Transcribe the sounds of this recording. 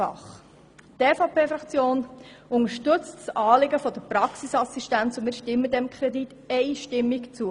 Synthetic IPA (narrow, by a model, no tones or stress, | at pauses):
ɑ̰χ | tɛːfɑpeːfɾɑkt͡sjoːnʊŋəʃtʏt͡stsɑːlɪɡəfɔd̥̪əpɾɑksisɑsiʃtænt͡sʊmɪːɾʃtɪmːəd̪ɛmkʰɾɛd̪it | ɛɪʃtɪmːikt͡suə